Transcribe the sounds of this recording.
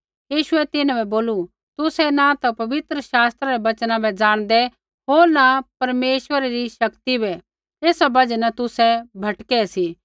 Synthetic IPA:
jiːʃʊɛt̪ɪnãbɛboːlu | t̪ʊsɛnat̪ɐpɐbɪt̪ɾəʃaːst̪ɾaɾɛbɐt͡ʃnãbɛd͡zaːɽ̃d̪ɛ | ɦoːɾnapɐɾmeːʃwəɾeɾiʃɐkt̪ibɛ | eːsabɐd͡ʒɛnat̪ʊsɛbʱɐʈkɛsi

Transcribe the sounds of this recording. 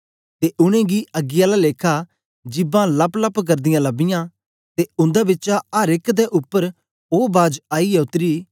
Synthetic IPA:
t̪eːʔʊñẽːɡiəɡɪjalaleːkʰa | d͡ʒɪbãːlɐpləpk̬əɾd̪ɪjãlɐbɪjãː | t̪eʊ̃nd̪abɪtːt͡ʃaəɾɪkd̪ɛʔʊpːəɾ | oːbaːd͡ʒaːiɛʊt̪ːɾiː

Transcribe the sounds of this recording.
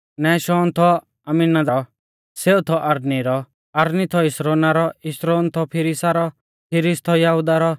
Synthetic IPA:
nɛːʃɔːnt̪ʰɔ | ɐminad͡zaɔ | seːut̪ʰɔʔɐɾniɾɔ | ɐɾnit̪ʰɔɪsɾoːnaɾɔɪʃɾoːnt̪ʰɔpʰɪɾisaɾɔ | pʰɪɾist̪ʰɔjaɦud̪aɾɔ

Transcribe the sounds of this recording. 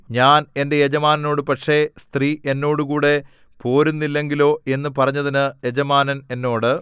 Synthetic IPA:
ɲaːne̞nde̞jed͡ʑɐmaːnɐno̞ːɽɨpɐʈʂe̞st̪riʔenːo̞ːɽukuːɽe̞ | po̞ːɾunːilːe̞ŋɡilo̞ːe̞nːɨpɐrɐɲːɐðinɨje̞d͡ʑɐmaːnɐne̞nːo̞ːɽɨ

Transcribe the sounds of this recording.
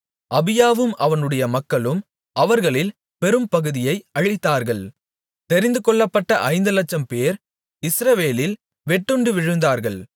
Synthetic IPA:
ʔɐbɪjaːʋɯmʔɐʋɐnɯɽɐjɐmɐkːɐɭɯm | ɐʋɐɾɣɐɭɪl | pɛɾɯmpɐɣɯðɪjɐɪɐɻɪt̪ːaːɾɣɐɭ | t̪ɛɾɪnd̪ɯkɔɭːɐpːɐʈːɐʔɐɪnd̪ɯlɐt͡ʃːɐmpeːɾ | ɪsɾɐʋeːlɪl | ʋɛʈːɯɳɖɯʋɪɻɯnd̪aːɾɣɐɭ

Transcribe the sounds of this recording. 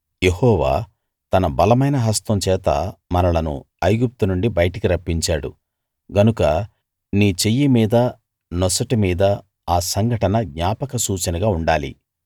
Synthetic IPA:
je̞hɔːʋa̰ː | t̪ɐnɐbɐlɐmɐjnɐɦɐst̪ɐmt͡ʃɛːt̪ɐ̰mɐnɐlɐnṵ | ɐjɡup̚t̪unuɳɖibɐjɐʈɐkiɾɐpːiɲt͡ʃaːɽṵ | ɡɐnukɐ | niːt͡ʃejːimiːd̪ɐ | nɔsɐʈimiːd̪ɐ | aːsɐŋɡʱɐʈɐnɐɡɲaːpɐkɐsuːt͡ʃɐnɐɡaːuɳɖaːlḭ

